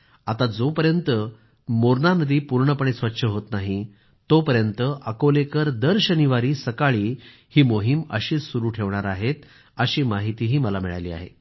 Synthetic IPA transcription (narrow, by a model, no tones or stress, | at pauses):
at̪ad͡zopəɾjənt̪ə | moɾɳanəd̪iːpuɾɳəpəɳ̃esʋətːɕʰəɦot̪naɦi | t̪opəɾjənt̪əʔəkolekəɾd̪əɾɕəniʋaɾiːsəkaɭiː | hiːmoɦimə̰ɕiːsuɾuːʈʰeʋɳaɾaɦet̪ | əɕiːmaɦit̪iːɦiːməlamiɭa̰jlḭːa̰ɦḛ